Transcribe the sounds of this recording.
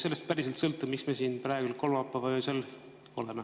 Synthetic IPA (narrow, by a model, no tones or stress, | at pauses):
se̞lːest̪̚pæɾiselt̪sɤlt̪ːˑumiksmesiːnprɑeɡ̥ulko̞loɑpːˑɑvɑøːsel | o̞le̞me